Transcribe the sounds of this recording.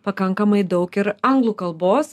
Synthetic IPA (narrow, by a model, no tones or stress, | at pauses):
pɐkɐŋkɐmɐɪd̪ɒʊkɪɾɐŋɡlˠuːkɐlˠboːs